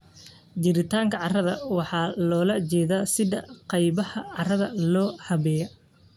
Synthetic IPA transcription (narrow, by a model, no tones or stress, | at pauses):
d͡ʒɪɾɪt̪ʰaːŋkʰɐʕɑrɐðɐwɑħɑːlɔːlɐt͡ʃɛːðaːsɪðɐqɑjβɐhɐʕɑrɐðɐlɔːhɐβɛːjɐ